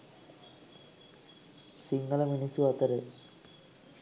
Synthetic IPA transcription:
siŋɡɐlɐminisuɐt̪ːɐɾe

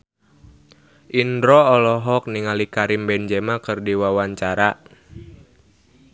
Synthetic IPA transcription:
ʔindɾɔːlɔɦɔk̚niŋalikaɾimbɛnd͡ʒɛmakɨrdiwawaɲt͡ʃaɾa

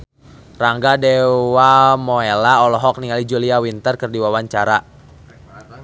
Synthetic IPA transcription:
raŋɡadɛwamɔɛlaɔlɔɦɔk̚niŋalid͡ʒuliawint̪ərkərdiwawaɲt͡ʃaɾa

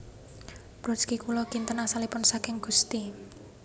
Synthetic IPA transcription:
b̥ɾɔskikulɔkint̪ənasalipʊnsakɪŋɡ̥ṳst̪i

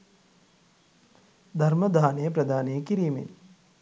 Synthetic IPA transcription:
d̪ʱɐɾmɐd̪ʱaːnejɐpɾɐd̪ʱaːnejkiɾiːmḛn

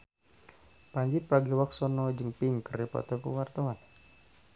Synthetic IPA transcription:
paɲd͡ʒipːaɡiwak̚sɔnɔd͡ʒəŋpiŋkəripɔ̰t̪ɔkə̰wart̪awan

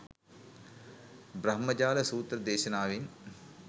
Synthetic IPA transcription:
bɾɐɦmɐd͡ʑaːlɐsuːt̪rɐd̪eːɕɐnaːʋin

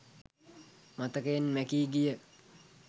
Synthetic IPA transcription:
mat̪əkəjenmækiːɡijə

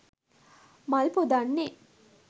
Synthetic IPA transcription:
malpud̪anːe

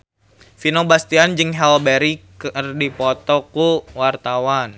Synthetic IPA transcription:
finobast̪iand͡ʒɨŋɦɛlbɛɾikərdipɔt̪ɔkuwart̪awan

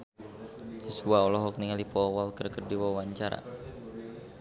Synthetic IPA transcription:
jisuaɔlɔɦɔk̚niŋalipɔwalkərkərdiwawaɲt͡ʃaɾa̰

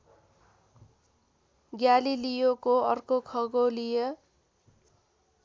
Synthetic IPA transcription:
ɡjalilijokoʌrkokʰʌɡolijʌ

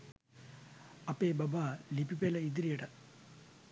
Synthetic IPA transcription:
ɐpːeːbɐbalipipeːlɐid̪iɾijɐʈɐ

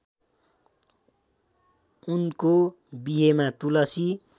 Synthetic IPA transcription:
unko | biɦemat̪ulʌsi

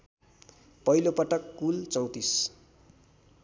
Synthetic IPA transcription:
pʌilopʌʈʌkːult͡sʌw̃t̪is

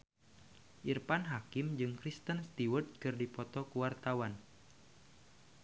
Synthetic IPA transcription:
ʔirpanɦakɪmd͡ʒɨŋkɾist̪ənst̪iwərt̪̚kɨrdipɔt̪ɔkuwart̪awan

